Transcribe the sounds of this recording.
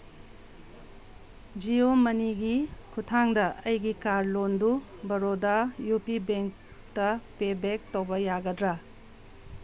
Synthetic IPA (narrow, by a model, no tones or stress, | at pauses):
d͡ʒiomɐniɡikʰutʰaŋdɐɐjɡikaɾlondu | bɐɾodɐjupibeŋk̚ | tɐpebek̚towbɐjaɡɐdɾɐ